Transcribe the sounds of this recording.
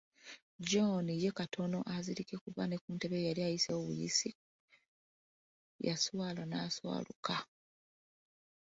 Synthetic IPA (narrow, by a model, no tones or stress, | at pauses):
d͡ʒonijekatʰo̞no̞ʔaziɾikekuβane̞kuːnte̞βejaliajiseoβṵjḭsi | jaswaːlanaswa̰ːlṵka